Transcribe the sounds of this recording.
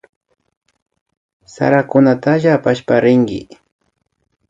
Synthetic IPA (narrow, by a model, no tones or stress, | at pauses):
sa̰ɾakʊnat̪aʒaːpaʃpaɾɪŋɡɪ̰